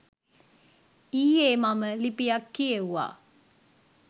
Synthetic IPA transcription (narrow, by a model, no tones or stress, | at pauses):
iːeːmaməlipijakːieʋuʋa̰ː